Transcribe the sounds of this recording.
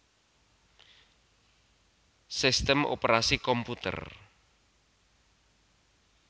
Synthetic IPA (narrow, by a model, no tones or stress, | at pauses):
sist̪əmʔo̰pəɾasikɔmput̪ə̰r